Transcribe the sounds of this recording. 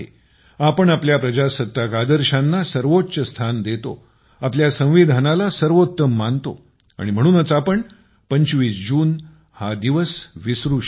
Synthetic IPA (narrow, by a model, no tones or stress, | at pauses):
ḛ | apəɳapljapɾəd͡ʑasət̪ːakad̪əɾɕanːasəɾʋot̪ːɕəst̪ʰand̪et̪o̰ | apljasə̃w̃ʋid̪ʱanalasəɾʋot̪ːəmːant̪o̰ | a̰ɽ̃im̤əɽ̃uːnət͡sapəɳ | pəɲt͡ɕʋiːsd͡ʑuːn | had̪iʋəsʋisɾu